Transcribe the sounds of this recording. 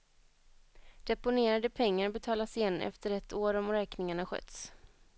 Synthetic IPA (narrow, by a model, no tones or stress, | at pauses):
d̪̥ɛpʊneːɾad̪əpʰɛŋːaɾbɛt̪ʰɑːlasjɛnːʔɛ̰ft̪əɾɛt̪oːɾɔmɾɛːknɪŋaɳaɧœ̰t̪s